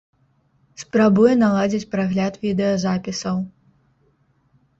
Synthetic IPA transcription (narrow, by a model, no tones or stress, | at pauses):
spɾabujɛnalˠad͡zʲit͡sʲpɾaɣlʲat̪vʲid̪ɛjɐzapʲisɐw